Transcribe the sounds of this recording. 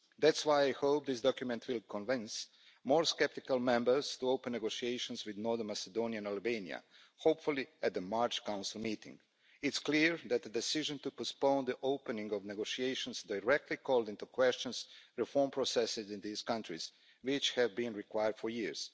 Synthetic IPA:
d̪ætswajajhoʊp̚d̪ɪs̬d̪ɔkjumɛ̃nt̪ʰwɪlˠkʰɔ̃nvɪ̃ns | moːɹskɛp̚t̪ikalˠmɛ̃mbəɾz̥t̪uoʊpɛ̃nːeɡoʃieɪʃə̃nswid̪noɾðənmasɛd̪õːniãnalbẽnḭa̰ | hoʊpfulˠiɛt̪̚d̪əmaɹt͡ʃkãw̃nsɪlˠmiːt̪ɪ̰̃ŋɡ | ɪtskliɹd̪ɛt̪̚d̪əd̪ɛsiʒə̃nt̪upɔspõʊ̃nd̪əʔoʊpɛnĩŋɡɔʋneɡoʃieɪʃɔ̃nsdajɾɛk̚t̪likʰɔːlˠd̪ĩnt̪ukwɛst͡ʃɔ̃nsɾifɔɹmpɾosɛsɪzĩnd̪iːskãnt̪ɾiz̥ | wɪt͡ʃhɛvbĩnɹikwajəɾd̥foɹjiɹz̥

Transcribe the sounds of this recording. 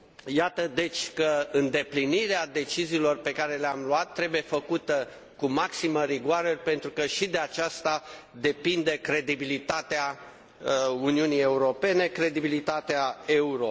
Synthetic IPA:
jat̪əd̪e̞t͡ʃʲkəɨnd̪e̞pliniɾead̪e̞t͡ʃiziːlo̞rpe̞kaɾe̞leamluat̪ːɾe̞buje̞fəkut̪ə | kumaksiməɾiɡwaɾərʲpe̞nt̪ɾukəʃid̪eat͡ʃast̪a | d̪e̞pind̪e̞kɾe̞d̪ibilit̪at̪ea | uniunije̞uɾo̞pe̞ne̞kɾe̞d̪ibilit̪at̪eae̞uɾo̞

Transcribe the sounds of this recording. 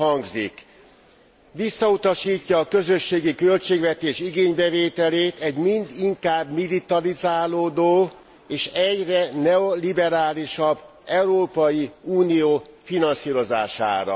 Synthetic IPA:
ɦɒŋɡzik | ʋisːɒut̪ɒʃiːcːɒːkø̞zø̞ʃːeːɡikø̞lt͡ʃeːɡʋɛt̪eːʃiɡeːɲbɛveːt̪ɛleːt̪ɛɟmind̪iŋkaːbmilit̪ɒlizaːloːd̪oː | eːʃɛɟrɛnɛolibɛɾaːliʃɒbː | ɛuɾoːpɒjiuːnijoːfinɒnsiːɾo̞za̰ːʃa̰ːɾɒ̰

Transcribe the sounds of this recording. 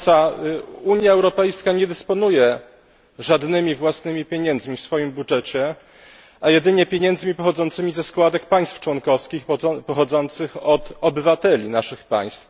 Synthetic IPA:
sauɲjaɛwɾɔpɛjskaɲɛd̪ɘspɔnujɛ | ʐad̪nɘmʲivwasnɘmʲipʲjeɲɛnd̪zmʲifsfɔjimbudʐɛt͡ɕɛ | ajɛd̪ɘɲɛpʲjeɲɛnd̪zmʲipɔxɔd̪zɔnt̪sɘmʲizɛskwad̪ɛk̚paj̃st̪ft͡ʂwɔnkɔfskʲixpɔxɔd̪zɔnt̪sɘxɔt̪ɔbɘvat̪ɛlʲinaʂɘxpa̰j̃st̪f

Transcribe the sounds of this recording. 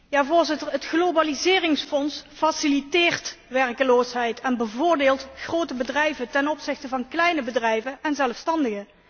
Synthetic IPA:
jaːvʊːɹzɪtəɹɦətχlobalizɪːrɪŋsfɔnsfasilitɪːɹtʋɛrkəloːsɦɛjtʰɛnbəvʊːɹdeːlˠtχrowtəbədrɛjvətɛnɔpsɪxtəvɑnklɛjnəbədrɛjvənɛnzɛlˠfstɑndəɣə

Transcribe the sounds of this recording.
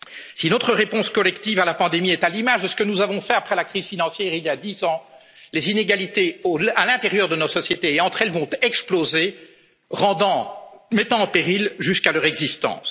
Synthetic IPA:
sinot̪χəʁepɔ̃skɔlɛkt̪ivalapɑ̃d̪emiɛt̪alimaʒd̪əsə̥kənuzavɔ̃fɛapχɛlakχiz̥finɑ̃sjɛːʁiljad̪izɑ̃ | lezineɡalit̪eoalɛ̃t̪eʁjœʁd̪ənosɔsjet̪eːɑ̃t̪χɛlvɔ̃t̪ɛksploze | ʁɑ̃d̪ɑ̃mɛt̪ɑ̃ːpeʁilʒyskalœʁɛɡzist̪ɑ̰̃s

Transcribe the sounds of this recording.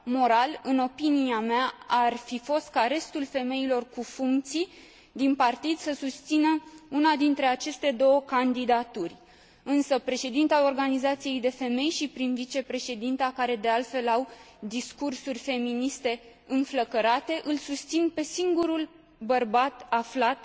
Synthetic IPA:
mo̞ɾalɨno̞piniameaːrfifo̞st̪̚kaɾe̞st̪ulfe̞me̞ilo̞rkufuŋkt̪sij | d̪inpart̪id̪səsust̪sinəunad̪int̪ɾe̞at͡ʃe̞st̪e̞d̪o̞wəkand̪id̪at̪urʲ | ɨnsəpɾe̞ʃe̞d̪int̪ao̞rɡanizat̪sije̞jd̪e̞fe̞me̞jʃipɾinvit͡ʃe̞pɾe̞ʃe̞d̪int̪akaɾe̞d̪e̞alt̪fe̞law | d̪iskursurʲfe̞minist̪e̞ | ɨnfləkəɾat̪e̞ʔɨlsust̪sinpe̞siŋɡuɾul | bərbat̪aflat̪̚

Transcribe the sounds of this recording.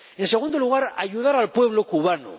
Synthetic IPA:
ense̞ɣund̪o̞luɣ̞aɾa̰ʝuðaɾalpwe̞β̞lo̞kuβ̞ano̰

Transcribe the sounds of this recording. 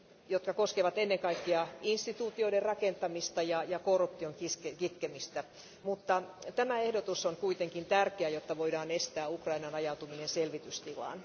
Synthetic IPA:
jot̪̚kɑkoskeʋɑt̪enːeŋkɑikːiɑinst̪it̪uːt̪ioiderrɑkent̪ɑmist̪ɑjɑjɑkorup̚t̪ioŋkiskekit̪kemist̪æ | mut̪ːɑt̪æmæehdot̪usoŋkuit̪eŋkint̪ærkeæjot̪ːɑʋoidɑːnest̪æːukrɑinɑnɑjɑut̪uminenselʋit̪yst̪ilɑ̰ːn

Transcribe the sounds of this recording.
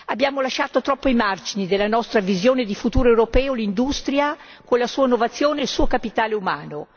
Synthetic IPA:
abːjaːmolaʃːaːt̪ot̪ɾɔpːoimard͡ʒinid̪elːanɔst̪ɾavizjoːned̪ifut̪uːɾoewɾopɛːolind̪ust̪ɾja | konlasuːanːovat̪sːjoːneːlsuːokapit̪aːleumaːno

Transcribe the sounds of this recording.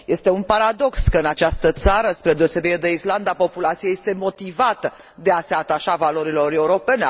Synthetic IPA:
je̞st̪e̞unpaɾad̪o̞kskəɨnat͡ʃast̪ət̪saɾəspɾe̞d̪e̞ose̞biɾed̪e̞island̪apo̞pulat̪sijeje̞st̪e̞mo̞t̪ivat̪ə | d̪e̞ase̞at̪aʃavalo̞ɾilo̞ɾe̞uɾo̞pe̞ne

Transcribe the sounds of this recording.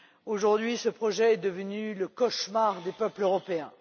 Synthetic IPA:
oʒuʁd̪ɥisəpχɔʒɛːd̪əvənyləkɔʃmaʁd̪epœpløʁɔpeɛ̃

